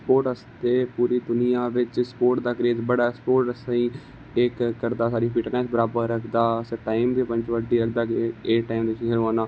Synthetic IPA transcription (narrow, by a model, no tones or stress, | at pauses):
spoːɾʈəst̪eːpuːɾiːd̪ʊnijãːʋɪt͡ʃspoːɾʈd̪aːkɾeːzbəɽaːspoːɾʈəsaiː | ɪkkːəɾd̪aːsaːɾiːpiːʈnɛːsbəɾaːbəɾːəkʰd̪aːseːʈaːɪmb̪iːpə̃nt͡ʃʋəɖiːəkd̪aːkeeːʈaːimd̪eʃiɦəɾãːnaː